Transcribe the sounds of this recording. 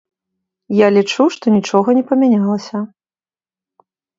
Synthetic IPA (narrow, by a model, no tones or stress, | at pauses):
jalʲit͡ʂuʂt̪ɔnʲit͡ʂɔɣɐnʲɛpɐmʲanʲalˠɐsʲɐ